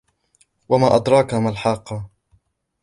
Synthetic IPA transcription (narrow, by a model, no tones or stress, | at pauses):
wamaːʔɑd̪ɾˤɑːkamalħɑːqːɑ